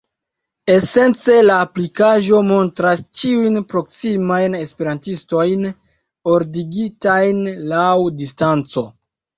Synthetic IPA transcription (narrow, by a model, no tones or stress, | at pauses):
e̞se̞nt͡se̞laːplikaʒo̞mo̞ntɾast͡ʃiujnpɾo̞ksimajne̞spe̞ɾantisto̞jn | o̞ɾdiɡitajnlawdistant͡so̞